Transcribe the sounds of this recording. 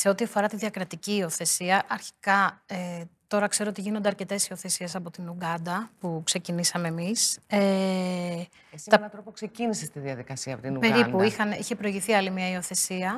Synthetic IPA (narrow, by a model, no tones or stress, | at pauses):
se̞o̞t̪iɐfo̞ɾɐt̪iðjɐkɾɐt̪iciːo̞θe̞siɐʔɐɾçi̥kɐet̪o̞ɾɐkse̞ɾo̞ot̪iʝinond̪eɐɾce̞t̪e̞sio̞θe̞sie̞sɐpo̞t̪inuɡɐnd̪ɐpukse̞cinisɐme̞ːmise | st̪ɐnt̪ɾopoksecinisest̪iðiɐðikɐsiɐpot̪inupe̞ɾiuixɐniçe̞pɾo̞iʝiθiɐlimiɐio̞θe̞siɐ